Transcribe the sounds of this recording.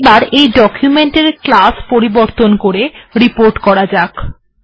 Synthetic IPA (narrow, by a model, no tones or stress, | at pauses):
baɾejɖɔkʰjumeɳʈeɾklaspoɾiboɾt̪onkoɾeɾipoɾʈkɔɾad͡ʑak